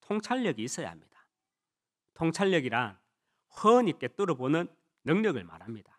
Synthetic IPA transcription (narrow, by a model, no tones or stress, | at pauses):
tʰoŋt͡ɕʰaʎːʌɡiːs͈ʌja̰ɦa̰mɲid̥ḁ | tʰoŋt͡ɕʰaɭːʌɡiɾan | ɸʌɲik͈e̞t͈uɾʌbonɯnː | ɯŋɲʌɡɯɭma̰ɾɦamɲid̥a